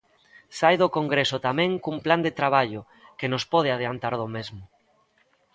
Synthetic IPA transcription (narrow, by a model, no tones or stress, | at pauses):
sajðokoŋɡɾesot̪amẽŋkumpland̪et̪ɾaβ̞aʎo | kenospɔð̞eað̞eant̪aɾð̞omezmʊ